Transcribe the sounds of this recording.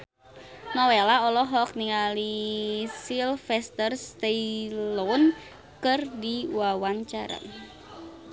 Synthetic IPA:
nɔwelaɔlɔɦɔk̚niŋalisilfɛst̪ərst̪ɛilɔn | kɨrdiwawaɲt͡ʃaɾa̰

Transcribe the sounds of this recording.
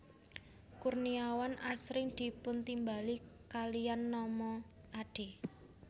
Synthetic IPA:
kurniawanʔasɾɪŋd̪̥i̤pʊnt̪imbalikalianːɔmɔ | ʔaɖ̥e̤

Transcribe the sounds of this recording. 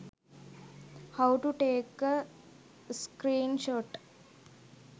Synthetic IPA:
hawʈuʈeːkə | skɾiːnʃoʈ

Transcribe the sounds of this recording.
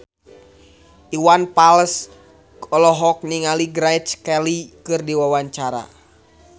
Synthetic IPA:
ʔiwanpaləs | ɔlɔɦɔk̚niŋaliɡɾajt͡ʃkɛlikɨrdiwawaɲt͡ʃaɾa̰

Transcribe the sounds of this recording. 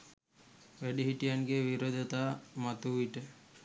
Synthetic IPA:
ʋæɖiɦiʈijanɡeʋiɾod̪ʱət̪aːmat̪uiʈə

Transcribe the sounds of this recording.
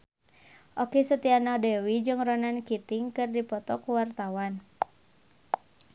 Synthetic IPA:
ʔokɛsət̪ianɔdɛwid͡ʒɨŋrɔnankit̪iŋkɨrdipɔt̪ɔkuwart̪awan

